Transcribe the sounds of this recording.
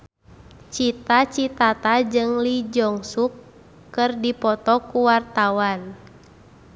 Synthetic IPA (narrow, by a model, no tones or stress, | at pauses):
t͡ʃit̪at͡ʃit̪at̪ad͡ʒɨŋlid͡ʒɔŋsukː | ɨrdipɔt̪ɔkuwart̪awan